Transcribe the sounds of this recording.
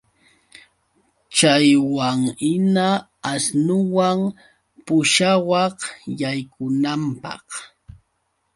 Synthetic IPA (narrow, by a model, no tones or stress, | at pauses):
t͡ʃajwaŋɪna | asnʊwaŋ | pʊʃawɑχjajkʊnampɑ̰q